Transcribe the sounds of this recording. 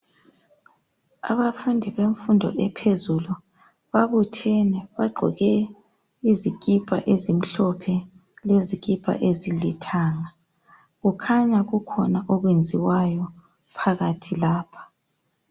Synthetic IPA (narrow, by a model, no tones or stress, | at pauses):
a̰βafundʱiβeɱfundʱɔ̰ʔɛpʰezulu | βaβutʰɛnɛβaɡ͡ǃʱɔ̰ɣɛ | izikʼipʼa̰ʔezim̩ɬɔpʰɛ | leziɣʼipʼa̰ʔezilitʰaːŋa | ɣukʰaɲaɣukʰɔnaʔɔɣwend͡zʱiwajɔ | pʰaɣatʰilaːpʰḁ